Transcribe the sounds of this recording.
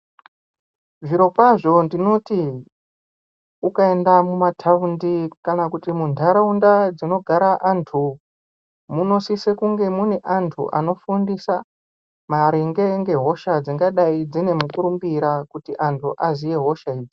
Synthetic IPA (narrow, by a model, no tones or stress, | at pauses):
ʐiɾo̞kwaʐo̞ndino̞ti | ukae̞ndamumatʰaundikanakutimundʰʱaɾaundad͡zino̞ɡʱaɾaʔantʰu | muno̞sisekuŋɡe̞mune̞ʔantʰṵʔa̰no̞fundisa | maɾeŋɡe̞ŋɡe̞ɦo̞ʃad͡ziŋɡaɗaid͡zine̞mukuɾumbiɾakutiʔantʰuʔazije̞ɦo̞ʃaiːd͡zi